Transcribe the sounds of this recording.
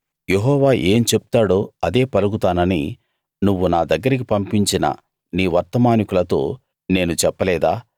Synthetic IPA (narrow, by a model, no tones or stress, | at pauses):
je̞ɦɔːʋaːʔeːmit͡ʃepu̥t̪aːɽoːɐd̪e̞ːpɐluɡut̪aːnɐnḭ | nuʋːunaːd̪ɐɡːɐɾɐk̬ipɐmpiɲt͡ʃinɐ̰ | niːʋɐɾt̪ɐmaːnikulɐt̪o̞̰ː | ne̞ːnut͡ʃɛpːɐlɛːd̪aː